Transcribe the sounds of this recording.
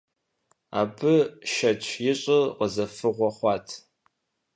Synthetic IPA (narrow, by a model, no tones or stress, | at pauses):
a̰ːpʰɨʃɐt͡ʃʷʰjɪɕʼɪqəzɐfɨʁʷɔχʷɑːtʰ